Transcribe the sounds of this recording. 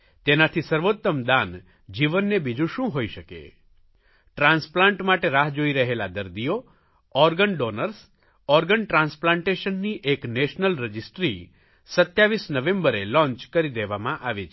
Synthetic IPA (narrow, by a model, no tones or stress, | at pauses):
t̪enat̪ʰisəɾʋot̪ːəmd̪an | d͡ʒiʋənːebid͡ʒũʃũɦoiʃəkḛ | ʈɾãnsplãɳʈmaʈeɾaɦd͡ʒoiɾəɦelad̪əɾd̪io | ɔɾɡəɳɖonəɾs | ɔɾɡəɳʈɾãnsplãɳʈeʃənːiʔekneʃnəlɾəd͡ʒisʈɾi | sət̪jaʋisnəʋẽmbəɾelɔ̃ɲt͡ʃkəɾid̪eʋamãʔaʋet͡ʃʰ